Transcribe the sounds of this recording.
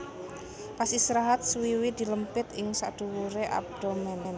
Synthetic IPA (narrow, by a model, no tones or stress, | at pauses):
pasisɾaɦat̪̚swiwid̪̥i̤ləmpɪt̪ɪŋsa̰d̪̥ṳwuɾeʔa̰b̚d̪̥omɛnɛn